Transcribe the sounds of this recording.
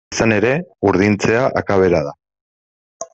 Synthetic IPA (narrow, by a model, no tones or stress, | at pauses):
sane̞ɾe̞uɾðint͡se̞aʔakaβ̞e̞ɾaða